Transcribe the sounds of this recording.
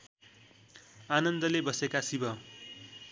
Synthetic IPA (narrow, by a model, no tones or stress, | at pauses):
anʌnd̪ʌlebʌsekasibʌ